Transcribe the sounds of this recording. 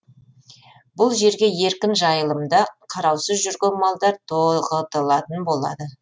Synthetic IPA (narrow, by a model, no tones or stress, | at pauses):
bʊlˠʒe̞ɾɡʲe̞je̞ɾkʲɪnʒɑjəlˠəmd̪ɑqʰɑɾɑwsəzʒʏɾɡʲɪlmɑlˠd̪ɑɾt̪ʰoʁət̪əlˠɑt̪ənbo̞lˠɑ̰d̪ə